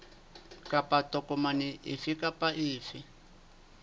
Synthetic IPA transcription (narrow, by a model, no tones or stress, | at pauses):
kʼapʼatʼɔkʼɔmanɪʔɪfikʼapʼaʔɪːfɪ